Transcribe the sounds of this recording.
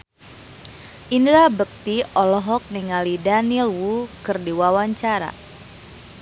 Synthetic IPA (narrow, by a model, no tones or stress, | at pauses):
ʔindɾabək̚t̪iɔlɔɦɔk̚niŋalidanilwukɨrdiwawaɲt͡ʃaɾa̰